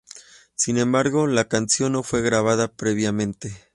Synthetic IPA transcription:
sinẽ̞mbaɾɣo̞lakansjo̞nːo̞fwe̞ɣɾaβ̞aðapɾe̞βjamẽ̞nt̪e̞

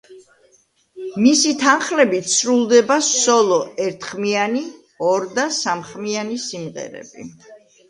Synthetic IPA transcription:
misit̪ʰanχlɛbit̪sɾulˠd̪ɛbasɔlˠɔɛɾt̪ʰχmiani | ɔɾd̪asamχmianisimʁɛ̰ɾɛ̰bḭ

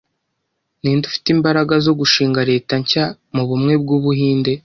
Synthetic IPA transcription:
niːndufi̥tiːmbaɾaɡazo̞ɡuʃiːŋɡaɾe̞ːtaɲca | muβumŋe̞b̚ɡuβuɦiːnde̞

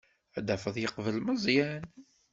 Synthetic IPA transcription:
æd̪æfəðˤjəqvəlməzˤjæn

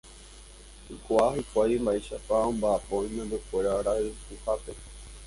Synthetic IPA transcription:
hɨkʷahɨkʷajmbaeʃapaõmbaːpoĩmẽnd̪ukʷeɾaɾaʔɨhuhape

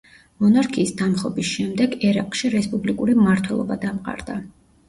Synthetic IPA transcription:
mɔnaɾkʰiːsd̪amχɔbisʃɛmd̪ɛɡɛɾaqʼʃiɾɛspʼublikʼuɾimmaɾt̪ʰwɛlˠɔ̰bad̪amqʼa̰ɾd̪̥a

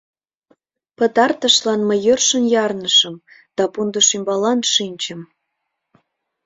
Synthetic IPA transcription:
pət̪ɑrt̪əʃlɑnməjørʃənjɑrnəʃə̆m | d̪̥ɑpund̪əʃymbɑlɑnʃinʲt͡ɕəm

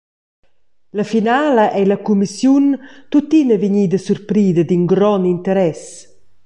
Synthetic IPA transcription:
lafinaːlaʔɛlɐkumisjunt̪ut̪inəviɲiːd̪əsurpɾiːd̪əd̪inɡɾɔnint̪əɾɛs

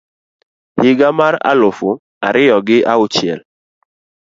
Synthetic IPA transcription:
hɪɡamaɾa̰lʊfʊ | aɾɪjɔɡɪʔaʊt͡ʃɛ̰l

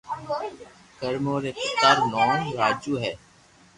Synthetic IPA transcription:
kəɾmoːɾeːkt̪aːɾnoːnɾaːd͡ʒuːɦɛː

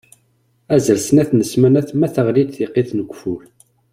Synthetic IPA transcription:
æzəlsənæθnəsmænæθmæθəʁlid̪θiqːiθnəɡʷfuɾ

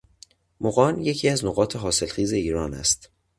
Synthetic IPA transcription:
moɣɒːnjecʰiːæznoɣɒːt̪ʰe̞ɦɒːse̞lxiːze̞iːɾɒːnæ̰st̪

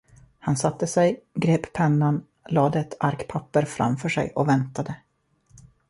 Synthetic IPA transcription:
hansat̪ːəsɛjɡɾeːppʰɛnːan | lɑːd̪əɛt̪ʰaɾkpʰapːəɾfɾa̰mfœʂɛ̰jʔɔvɛnt̪ad̪ə

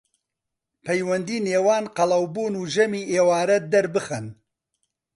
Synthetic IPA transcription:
pʰɐjwɐnd̪iːneːwɑːnqɐlˠɐwbuːnuːʒɐmiːʔeːwaːɾɐd̪ɐɾbɨxɐn

